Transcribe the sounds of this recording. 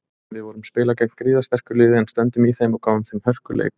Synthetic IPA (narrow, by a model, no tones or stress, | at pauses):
vɪðvɔːɾʏmspɪːlacɛk̚n̥kɾiːðast̪ɛr̥kʏɾlɪːðɪɛnst̪œnt̪ʏmiθejmawkaːwʏmθejmhœr̥kʏlḛjk